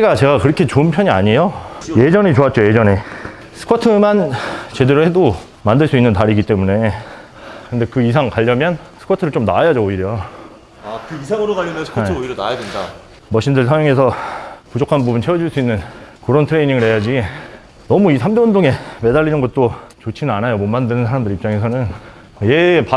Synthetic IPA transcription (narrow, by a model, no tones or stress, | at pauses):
iɡat͡ɕe̞ɡakɯɾʌkʰe̞t͡ɕoɯnpʰjʌɲiaɲe̞jo | je̞d͡ʑʌnet͡ɕoat̚t͡ɕ͈oje̞d͡ʑʌne̞ | sʰɯ̥kʰotʰɯmant͡ɕe̞deɾohe̞do | mandɯɭs͈uinːɯntaɾiɡit͈e̞mune̞ | kɯnde̞kɯis̬ʰaŋkaʎːʌmjʌnsʰɯ̥kʰotʰɯɾɯɭt͡ɕomna̰ajad͡ʑooiɾjo | akɯisʰaŋɯɾoɡaʎːʌnesʰeoiɾona̰jadenda | mʌɕʰindɯɭs̬ʰaŋjoŋe̞sʰʌpud͡ʑokʰanbubunt͡ɕʰeʌd͡ʑiɭs͈uinːɯnkɯɾʌntʰɯɾe̞ɲiŋɯɭhe̞jad͡ʑi | nʌmuisʰamdewʌndʰoŋe̞me̞daʎːinɯnɡʌt̚t͈ot͡ɕot͡ɕʰinɯnanajomonmandɯnɯnsʰaɾamdɯɾip̚t͡ɕ͈aŋe̞sʰʌnɯn | jepa